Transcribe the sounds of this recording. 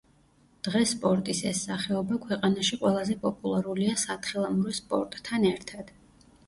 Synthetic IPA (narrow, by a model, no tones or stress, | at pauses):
d̪̥ʁɛspʼɔɾt̪ʼisɛsːaχɛɔbakʰwɛqʼanaʃiqʼwɛlˠazɛpʼɔpʼulˠaɾuliasat̪ʰχilˠamuɾɛspʼɔ̰ɾt̪ʼːʰanɛɾt̪ʰad̪̥